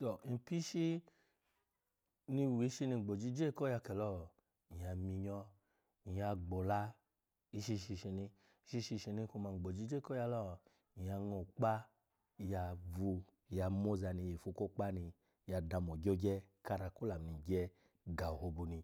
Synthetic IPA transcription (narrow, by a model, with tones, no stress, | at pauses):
sɔ˨n̩˨pi˦ʃi˦ | ni˧˨wi˨˦ʃi˧ni˧˨ɡ͡bo˨d͡ʒi˧˦d͡ʒe˦˨kɔ˦ja˧kɛ˨lɔ˦˨ | i˨a˧mi˧ɲɔ˧ | i˨ja˧ɡ͡bo˨la˧˦ | i˧ʃi˧ʃi˧ʃi˧ni˧ | i˧˦ʃi˧ʃi˧ʃi˧ni˧ko˧ma˧˨ɡ͡bo˨d͡ʒi˧˦d͡ʒe˦˨kɔ˦ja˧lɔ˦˧˨ | i˨a˧ŋo˨k͡pa˦ | ja˧vu˧˨ | ja˧mo˦za˧ni˧je˨fu˧ko˦k͡pa˦ni˧ | ja˧da˧m˨o˨ɡo˦ɡɛ˦ka˧ɾa˧ku˦la˨m˨i˨ɡɛ˧ | ɡa˨ho˧bu˧ni˧